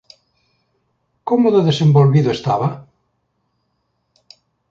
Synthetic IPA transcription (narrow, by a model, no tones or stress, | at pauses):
komoðoðesembolβiðʊest̪aβa